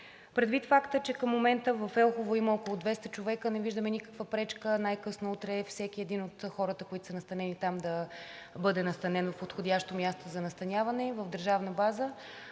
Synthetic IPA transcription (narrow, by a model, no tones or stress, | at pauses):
pɾɛd̪vit̪fakt̪ət͡ʃɛkəmːomɛnt̪əvəfɛlˠxovoiməɔkolˠod̪vɛst̪ət͡ʃovɛkənɛviʒd̪əmɛnʲikə̥kvəpɾɛt͡ʃkənajkɤsnout̪ɾɛfsɛk̟iɛd̪inot̪xɔɾət̪əkoit̪o̥sənɐst̪ɐnɛnit̪amd̪ɐ | bɤd̪ɛnɐst̪ɐnɛnvfpot̪xod̪ʲaʃt̪omʲjast̪ozɐnɐst̪ɐnʲavɐnɛvəvd̪əɾʒavnəbazə